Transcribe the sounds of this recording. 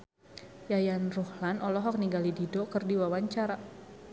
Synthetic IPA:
jajanruhlanɔlɔɦɔk̚niŋɡalididɔkɨrdiwawaɲt͡ʃaɾa

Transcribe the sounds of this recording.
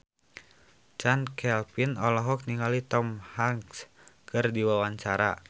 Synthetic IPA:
t͡ʃankʰɛlpinɔlɔɦɔk̚niŋɡalit̪ɔmhaŋs | kɨrdiwawaɲt͡ʃaɾa̰

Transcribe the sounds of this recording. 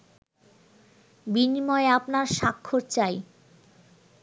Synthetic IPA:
binimɔeapnaɾʃakʰːoɾt͡ɕaj

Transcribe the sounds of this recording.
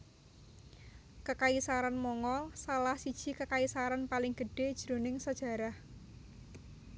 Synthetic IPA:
kəkaisaɾanmɔŋɔlsalahsid̥ʒ̥i̤kəkaisaɾanpalɪŋɡ̥əɖ̥e̤d̥ʒ̥ɾonɪŋsəd̥ʒ̥ä̤ɾah

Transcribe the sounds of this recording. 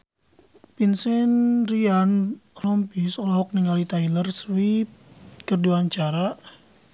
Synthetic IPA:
pinsɛnrianlɔmpisolaɦɔk̚niŋalit̪ailərswip̚kərduaɲt͡ʃaɾaʔ

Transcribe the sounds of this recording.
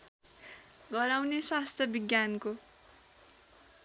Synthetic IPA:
ɡʌɾawneswast̪ʰjʌbiɡjanko

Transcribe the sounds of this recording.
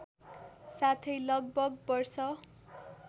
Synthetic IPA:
sat̪ʰʌjlʌɡ̚bʌɡbʌrsʌ

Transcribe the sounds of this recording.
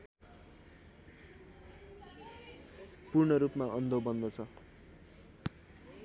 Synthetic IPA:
purɳʌɾupmaʔʌnd̪ʱobʌnd̪ʌt͡sʰʌ

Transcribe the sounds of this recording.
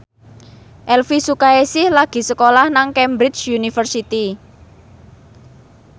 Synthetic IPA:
ʔɛlfisukaesɪhlaɡ̥i̤səkolahnaŋkɛmbɾɪt͡ʃjunifərsit̪i

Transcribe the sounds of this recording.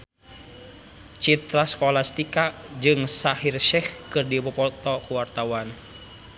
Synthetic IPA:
t͡ʃit̪ɾasə̥kɔlast̪ikaʔd͡ʒɨŋsahirʃɛhkɨrdiupɔpɔt̪ɔkuwart̪awan

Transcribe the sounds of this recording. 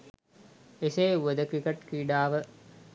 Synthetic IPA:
eseːuʋəd̪əkɾikeʈkiːɖaːʋə

